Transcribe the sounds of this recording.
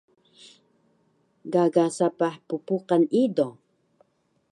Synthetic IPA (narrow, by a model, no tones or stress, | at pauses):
ɡaɡasapaħpupuqanido